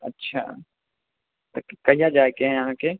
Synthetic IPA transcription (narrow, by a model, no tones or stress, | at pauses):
ɐtːʃʰa̰ː | t̪ɐkkɐijad͡ʒaːekeɦɛ̃ɐɦãkeː